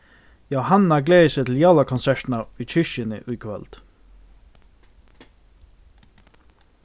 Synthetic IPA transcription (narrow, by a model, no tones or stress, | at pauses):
jɑːhɑnɑɡleːset̪ʰl̩jɑːlɑkʰʊnsæʈn̩ɑʉːc͡çʰʏʃənə̰ʔʉːkʰʋɛ̰ld̪̥